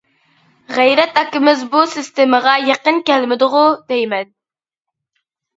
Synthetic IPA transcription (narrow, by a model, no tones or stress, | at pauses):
ʁæjɾɛt̪ɑkʲːɪmɪzbusɪst̪eməʁɑjɑqənkʲɛlmɪd̪ʊʁʊd̪̥ejmɛn